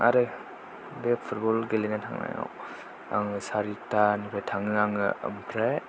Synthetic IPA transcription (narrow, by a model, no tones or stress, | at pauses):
ʔa̰ɾɯj | bepʰut̚bɔlɡelinatʰa̰ŋna̰ja̰ | a̰ŋɯsaɾitanipʰɾajtʰaŋɯaŋɯ̰ə̰mkʰɾaj